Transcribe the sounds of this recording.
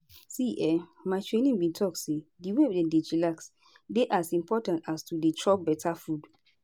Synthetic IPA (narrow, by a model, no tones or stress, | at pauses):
siʔɛmaɪtɹẽnĩŋbĩntʰɔk̚sediwɛbdɛ̃ded͡ʒilaks | deʔasĩmpʰɔtãntastuditʰɹɔp̚bɛtʰafud